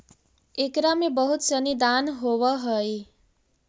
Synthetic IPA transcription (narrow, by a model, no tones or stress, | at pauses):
ekɾamebəɦut̪sənid̪anɦowəɦəj